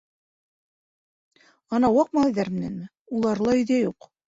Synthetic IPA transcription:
ɑnɑwɑq̚mɑiðæɾmɘ̆nænmɘ | ulˠɑɾlˠɑɵ̆ðæjuq

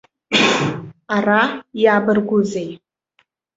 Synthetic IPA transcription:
arajaːbɨrɡʷʊzej

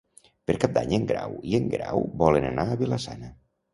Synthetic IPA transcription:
pəɾkap̚d̪aɲəŋɡɾa̰wiəŋɡɾawbɔlənənaːβiləsa̰nə

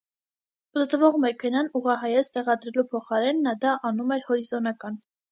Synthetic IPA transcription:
pət̪vɔʁmɛkʰɛnɑnuʁɑɦɑjɛt͡st̪ɛʁɑd̪ɾɛlupʰɔχɑɾɛnːɑd̪ɑʔɑnumɛɾhɔɾizɔnɑkɑn

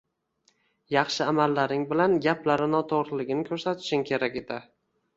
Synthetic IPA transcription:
jɑχʃɪamalːaɾnɪŋbɪlanɡʲaplaɾɪnɒt̪ʰoʁɾɪlɪɡʲɪnɪkʲʰɵɾsat̪ʰɪ̥ʃɪŋkʲʰe̞ɾakʲe̞d̪ɪ

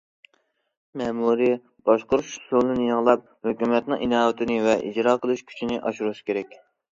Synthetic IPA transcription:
mɛmuɾi | b̥ɑʃqoɾʃsulˠɨnɪjɨʁlˠɑp̚ | høkʲymɛt̪nɨŋʔinɑːwɪt̪ʰɪnɪvɛʔid͡ʒɾɑːqəlˠuʃkʲʰy̥t͡ʃʰinɪʔɑʃuɾuskʲʰeɾɛkʲ

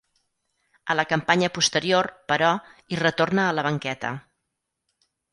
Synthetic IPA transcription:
ələkəmpaɲəpust̪əɾiorpəɾɔirət̪ornəːləβəŋkɛt̪ə̰

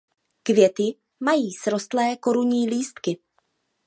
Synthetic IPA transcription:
kvjɛt̪ɪ | majiːsɾo̞st̪lɛːko̞ɾuɲiːliːst̪kɪ

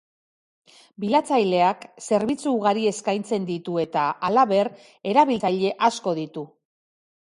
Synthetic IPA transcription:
bilat͡sajle̞akse̞ɾβit͡suːɣaɾie̞skajnt͡se̞nd̪it̪ue̞t̪aalaβe̞r | e̞ɾaβilt͡sajʎe̞ʔasko̞ðit̪u

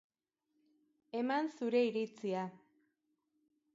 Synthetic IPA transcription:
e̞mansuɾe̞iɾit͡sia

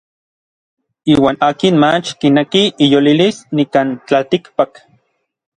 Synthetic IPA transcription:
iːwaːnaːkinmat͡ʃkinekiijolilisnikant͡ɬalt̪ikpak

